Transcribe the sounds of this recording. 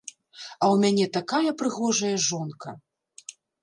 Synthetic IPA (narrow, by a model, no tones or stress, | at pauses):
ɐwmʲanʲɛt̪akajɐpɾɨɣɔʐɐjɐʐɔnkɐ̰